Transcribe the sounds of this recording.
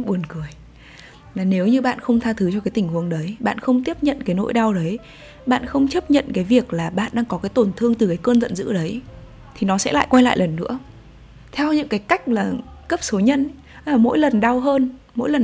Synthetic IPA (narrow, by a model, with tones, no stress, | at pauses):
ɓu˨˩ənkɨ˧˩əj | maː˨˩ne˨˦wɲɨ˧ɓa̰ː˧˨nxə˧wŋ͡mt̪ʰaː˧t̪ʰɨ˨˦t͡ɕɔ˧kaː˨˦t̪ï˧˩ŋ̟hu˨˦əŋɗə˨˦jɓa̰ː˧˨nxə˧wŋ͡mt̪i˦˥əp̚ɲə̰˧˨nkaː˨˦jno̰˧˥jɗa˧wɗə˨˦j | ɓa̰ː˧˨nxə˧wŋ͡mt͡ɕə˦˥p̚ɲə̰˧˨nkaː˨˦jvi˨˩ək̚laː˨˩ɓa̰ː˧˨nɗaː˧ŋkɔ˨˦kaː˨˦jt̪o˧˩nt̪ʰɨ˧əŋt̪ɨ˨˩kaː˨˦jkəː˧nzə̰˧˨nzɨ̰˧˥ɗə˨˦j | t̪ʰi˨˩nɔ˨˦sɛ̰˧˥la̰ː˧˨jkwa˧jla̰ː˧˨jlə˨˩nːɨ̰˧˥ə | t̪ʰɛ˧wɲɨ̰˧˥ŋkaː˨˦jka˦˥jk̟̚laː˨˩kə˦˥p̚so˨˦ɲə˧n | ʔaː˨˩mo̰˧˥jlə˨˩nɗa˧wɦəː˧n | mo̰˧˥jlə˨˩